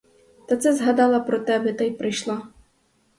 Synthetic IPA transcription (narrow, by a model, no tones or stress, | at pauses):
t̪ɐt̪sɛzɦad̪alˠɐpɾɔt̪ɛbɛt̪ajpɾɨjʃlˠa